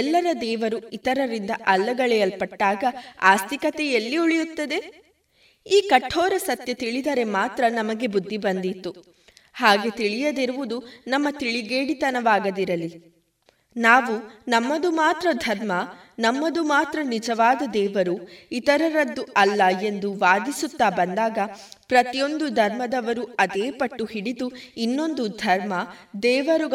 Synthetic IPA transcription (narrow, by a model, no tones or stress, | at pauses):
lːɐɾɐd̪ɛːʋɐɾuit̪ɐɾɐɾind̪ɐʔɐlːɐɡɐɭɛjɐlpɐʈːaːɡɐa̰ːst̪ikɐt̪ɛjɐlːiuɭijut̪ːɐd̪e̞ | iːkɐʈʰːɔːɾɐsɐt̪jɐt̪iɭid̪ɐɾe̞maːt̪ɾɐnɐmɐɡe̞bud̪ʱːibɐnd̪it̪ːu | haːɡe̞t̪iɭijɐd̪iɾuʋud̪unɐmːɐt̪iɭiɡeːɽit̪ɐnɐʋaːɡɐd̪iɾɐli | naːʋunɐmːɐd̪umaːt̪ɾɐd̪ʱɐɾmɐ | nɐmːɐd̪umaːt̪ɾɐnid͡ʒɐʋaːd̪ɐd̪ɛːʋɐɾuit̪ɐɾɐɾɐd̪ːuɐlːɐe̞nd̪uʋaːd̪isut̪ːaːbɐnd̪aːɡɐpɾɐt̪ijo̞nd̪ud̪ʱɐɾmɐd̪ɐʋɐɾuɐd̪eːpɐʈːuhiɽid̪uinːo̞nd̪ud̪ʱɐɾmɐd̪ɛːʋɐɾu